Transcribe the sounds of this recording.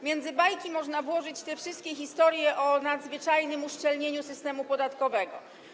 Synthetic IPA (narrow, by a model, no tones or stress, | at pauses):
mʲjɛnd̪zɘbajkʲimɔʐnavwɔʐɘt͡ɕt̪ɛfʂɘst̪̚kʲɛxʲist̪ɔɾjɛʔɔnad̪zvɘt͡ʂajnɘmuʂt͡ʂɛlɲeɲusɘst̪ɛmupɔd̪at̪kɔvɛɡɔ